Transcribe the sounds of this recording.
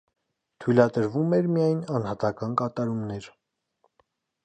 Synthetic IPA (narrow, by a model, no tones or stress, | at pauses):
t̪ʰujlɑd̪əɾvumɛɾmijɑjnɑnhɑt̪ɑkɑnkɑt̪ɑɾumnɛɾ